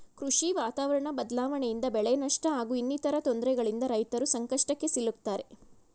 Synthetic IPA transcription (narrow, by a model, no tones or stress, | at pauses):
kɾuʂiʋaːt̪aːʋɐɾɐɳɐbɐd̪laːʋɐɳejind̪ɐbɛɭɛnɐʂʈɐaːɡuːinːit̪ɐɾɐt̪ond̪ɾɛɡɐɭind̪ɐɾɐjt̪ɐɾusɐŋkɐʂʈɐkːe̞silːukt̪ːaːɾe̞